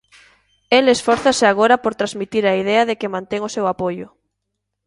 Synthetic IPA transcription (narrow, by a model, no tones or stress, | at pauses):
elesfɔɾθasɪaɣ̞oɾɐpoɾt̪ɾazmit̪iɾaiðɛɐðekɪmãnt̪ɛŋosewapojʊ